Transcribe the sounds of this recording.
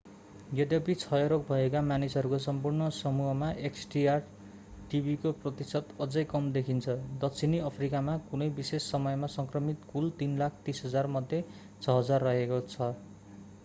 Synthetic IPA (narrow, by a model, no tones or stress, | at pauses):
ɡeʈʌpit͡sʰʌjʌɾok̚bʱʌekamanisɦʌɾukosʌmpurnʌsʌmuɦʌmaʔeksʈiar | ʈibʱikoprʌt̪isʌt̪ʌd͡zʌjkʌmd̪ekʰint͡sʰʌd̪ʌkt͡sʰiniʌpʰrikamakunʌjbisesːʌmʌjmasʌŋkrʌmit̪kult̪inlak̚ʰt̪isɦʌd͡zarmʌd̪ʱje | t͡sʰʌɦʌd͡zarːʌɦekot͡sʰʌ